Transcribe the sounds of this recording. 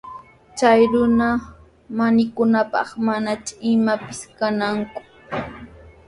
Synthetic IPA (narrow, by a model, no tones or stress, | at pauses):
t͡ʃajɾʊna | manɪkʊnapɑ̰χmanat͡ʃʊɪmapɪ̥skanaŋkʊ̥